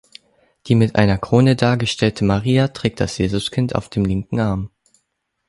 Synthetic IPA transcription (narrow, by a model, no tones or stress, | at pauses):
d̥iːmɪtʔa̰ɪnɐkʁ̥oːnədaːɐɡəʃtʰɛltʰəmaʁiːatʁ̥ɛːk̚td̥a̰sjeːzʊskʰɪntʰa̰ʊfd̥eːmlɪŋkŋ̩ʔaɐm